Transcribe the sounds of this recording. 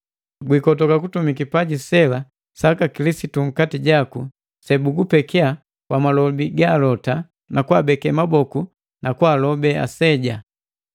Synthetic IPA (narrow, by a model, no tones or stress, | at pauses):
ɡwikɔtɔkakutumikipaɟisɛla | sakakilisituŋ̩katiɟaku | sɛbuɡupɛkɛa | kwamalɔbiɡalɔta | nakwabɛkɛmabɔku | nakwaːlɔbɛa̰sɛɟa